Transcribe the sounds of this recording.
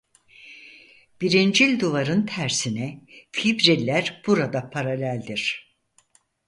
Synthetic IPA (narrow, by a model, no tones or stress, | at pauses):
b̥iɾind͡ʒilʲd̪uvaɾɯnt̪ʰæɾsinɛfibɾilʲːæɾb̥uɾad̪apʰaɾalʲælʲd̪iɾ̥